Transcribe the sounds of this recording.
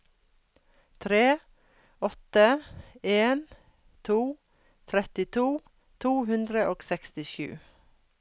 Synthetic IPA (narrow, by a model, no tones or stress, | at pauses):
t̪ʰɾeː | ɔt̪əeːn | t̪ʰuː | t̪ʰɾɛt̪ɪt̪ʰuː | t̪ʰuːhʉnd̪ɾəʔoːɡsɛkst̪ɪʃʉ̰ː